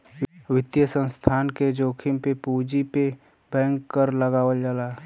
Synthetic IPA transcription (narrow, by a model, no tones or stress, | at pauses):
wɪt̪jəsə̃nst̪ʰaːnked͡ʒoːkʰɪmpepuːd͡ʒipe | b̥ɛ̃ːŋkːəɾləɡaːwəld͡ʒaːlaː